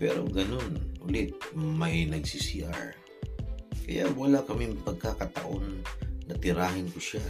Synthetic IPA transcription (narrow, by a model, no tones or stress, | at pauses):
pɛɾo̰ɡɐnonhʊlɪt̪̚mɐjnɐɡsisiʔa̰ɹ | kɐjawɐlakɐmɪŋpɐɡ̚kakɐt̪a̰ʔonːɐt̪ɪɾaːɦɪnkʊʃa